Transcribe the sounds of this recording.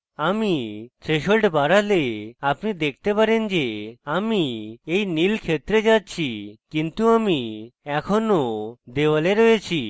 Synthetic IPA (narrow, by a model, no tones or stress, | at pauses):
amit̪ɾeʃolʈbaɾaleapnid̪ekʰt̪epaɾend͡ʑeamiejnilkʰet̪ɾed͡ʑatːt͡ɕʰikint̪uamiɛkʰɔnod̪eʋaleɾɔet͡ɕʰi